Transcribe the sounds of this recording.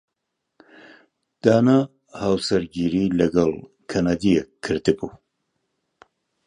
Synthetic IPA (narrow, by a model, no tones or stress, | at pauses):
d̪̥aːna | haːwsɐɾɡiːɾiːlɐɡɐlˠ | kʰɐnaːd̪ijɛkʰːɨɾd̪ɨbu